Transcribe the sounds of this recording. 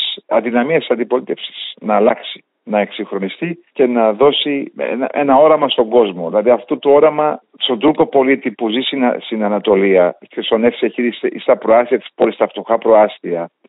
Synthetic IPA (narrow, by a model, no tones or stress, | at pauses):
sɐ̰ndinɐmiɐssɐnd̪ipo̞lit̪e̞fsi̥snɐːlɐksi̥ | nɐe̞ksiŋxɾo̞nist̪ice̞nɐðo̞siḛnɐ̰ʔenɐo̞ɾɐmɐst̪o̞ŋɡo̞zmo̞ðilɐðiɐft̪ot̪uo̞ɾɐmɐ | st̪o̞nd̪uko̞po̞lit̪ipuzisinst̪inɐnɐt̪o̞liɐkesone̞fsieçiðisḭst̪ɐpɾoɐsθiɐt̪i̥spolist̪ɐft̪oxɐpɾo̞ɐst̪iɐ